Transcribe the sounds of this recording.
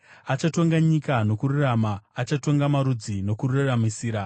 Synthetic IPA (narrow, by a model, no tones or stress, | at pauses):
at͡ʃato̞ŋɡaɲikano̞kururamaːt͡ʃato̞ŋɡamaɾud͡zino̞kururaramisiːɾa